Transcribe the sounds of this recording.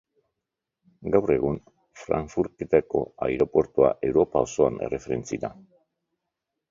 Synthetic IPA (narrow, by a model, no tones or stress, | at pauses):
ɡawre̞ɣun | fɾa̰ɱfuɾke̞t̪ako̞̰ajɾo̞pwe̞ɾt̪ua̰ʔe̞wɾo̞pao̞so̞ane̞̰re̞fe̞ɾe̞nt͡siɾa